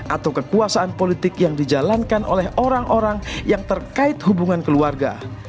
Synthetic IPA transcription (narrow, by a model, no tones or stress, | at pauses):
ʔat̪awkəkuasaʔanpolit̪ɪkjaŋdid͡ʒalankanʔo̰lɛhʔoɾaŋʔoɾaŋjaŋt̪ərkaɪt̪̚hubuŋankəluarɡa̰